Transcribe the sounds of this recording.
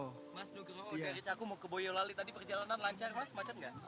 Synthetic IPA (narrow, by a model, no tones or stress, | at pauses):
masdukəraaaɾit͡ʃakumokəbojɔlalit̪adipərd͡ʒalananlaɲt͡ʃarmasmat͡ʃət̪̚ŋɡaʔ